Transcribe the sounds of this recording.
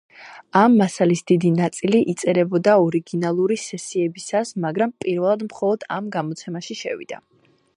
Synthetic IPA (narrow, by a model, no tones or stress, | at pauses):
amːasalisd̪id̪inat̪sʼiliʔit̪sʼɛɾɛbɔd̪aɔɾiɡinalˠuɾisɛsiɛbisasmaɡɾampʼiɾvɛlˠad̪mχɔlˠɔd̪amɡamɔt̪sʰɛmaʃiʃɛ̰vḭd̪̥a̰